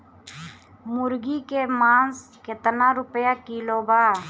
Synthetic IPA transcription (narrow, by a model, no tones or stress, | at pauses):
mʊɾɡikemaːns | ket̪naːɾʊpjakiloːbaː